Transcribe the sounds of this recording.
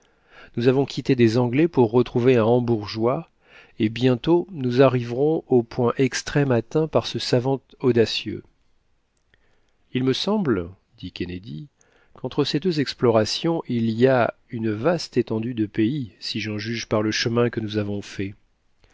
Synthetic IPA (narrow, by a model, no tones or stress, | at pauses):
nuzavɔ̃kʲit̪ed̪ezɑ̃ɡlɛpuʁːət̪χuveɛ̃ɑ̃buʁʒwa | ebjɛ̃t̪onuzaʁivʁɔ̃opwɛ̃ʔɛkst̪χɛmat̪ɛ̃paʁsəsavɑ̃t̪ɔd̪asjø̰ | ilməsɑ̃bl | d̪ikʲened̪i | kɑ̃t̪χəsed̪øzɛksplɔʁasjɔ̃ʔilia | ynvast̪et̪ɑ̃d̪yd̪əpeisiʒɑ̃ʒyʒpaʁləʃəmɛ̃kənuzavɔ̃fɛ